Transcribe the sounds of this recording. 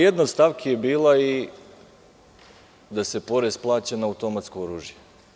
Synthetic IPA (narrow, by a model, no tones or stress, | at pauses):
jed̪nost̪aʋkʰijebiːlˠai | d̪ase̞po̞ɾesplˠaːt͡ɕenaːut̪o̞mat̪skooɾuːʒje